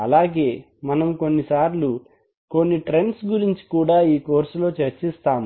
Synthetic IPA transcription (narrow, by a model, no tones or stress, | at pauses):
ɐlaːɡe̞ː | mɐnɐmko̞nːisaːɾlu | ko̞nːiʈɾe̞nsɡuɾiɲt͡ʃi̥kuːɽaːiːko̞ːɾsulo̞ːt͡ʃeɾt͡ʃist̪aːm